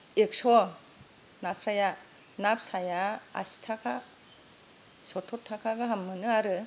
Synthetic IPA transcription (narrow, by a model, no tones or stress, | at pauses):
ek̚sɔ | nasaja | nap̚sajaa̰si̥tʰakʰa | sɔtʰɔtʰːakʰaɡɯɦamːɯnɯaɾɯ